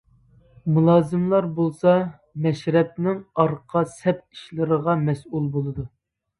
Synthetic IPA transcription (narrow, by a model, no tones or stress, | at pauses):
mulˠɑːzɨmlˠɑɾbolˠsɑ | mɛʃɾɛp̚nɪŋɑɾqʰɑsɛpi̥ʃlɨɾəʁɑmɛsulˠbolˠɨd̪u